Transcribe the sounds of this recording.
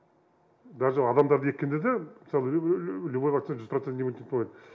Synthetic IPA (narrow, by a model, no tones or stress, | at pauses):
d̪ɑɾʒɑɑd̪ɑmd̪ɑɾd̪əet̪̚ʲkʲːe̞nd̪ed̪emɪsɑlˠəlʲubojvakt̪inʒʏzprot̪enʲemunʲent̪oed̪ə